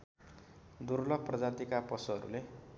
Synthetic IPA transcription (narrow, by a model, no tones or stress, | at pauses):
d̪uɾlʌɡ̚prʌd͡zat̪ikapʌsuɦʌɾṵle